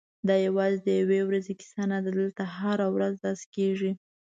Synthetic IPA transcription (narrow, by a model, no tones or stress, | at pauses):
d̪ɑjawɑzed̪əjawewɾazekɪ̥sanad̪d̪əlt̪ahaɾawɾazd̪ɑskeʐi